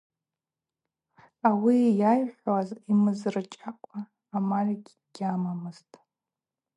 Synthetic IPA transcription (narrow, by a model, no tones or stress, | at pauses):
awijajħʷwazimɨzrɨt͡ʃʼaqʷʼaː | mariɡʲ | ɡ̥ʲamamɨz̥tʼ